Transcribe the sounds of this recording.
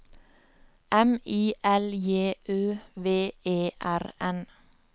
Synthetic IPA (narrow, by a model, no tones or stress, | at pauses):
ʔɛmiːʔɛljeːʔøːʋeːeːʔæɾɛn